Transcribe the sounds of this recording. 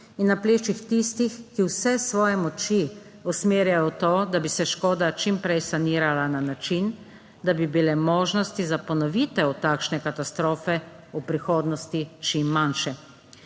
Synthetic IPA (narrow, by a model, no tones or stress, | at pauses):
inːapleːt͡ʃixt̪ist̪ixkiwsɛsʋɔːjɛmɔt͡ʃi | ɔsmeːɾjajɔt̪oːd̪abisɛʃkoːd̪at͡ʃimpɾɛjsaniːɾalananat͡ʃin | d̪abibilɛmɔːʒnɔst̪izapɔnɔʋit̪ɛwt̪aːkʃnɛkat̪ast̪ɾoːfɛ | upɾixoːd̪nɔst̪it͡ʃimːanʃɛ